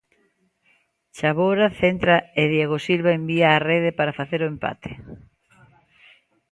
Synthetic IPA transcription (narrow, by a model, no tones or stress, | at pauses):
t͡ʃaβoɾaθent̪ɾaeðjeɣosilβaembiaːreð̞epaɾafaθeɾoempa̰t̪ʰe̥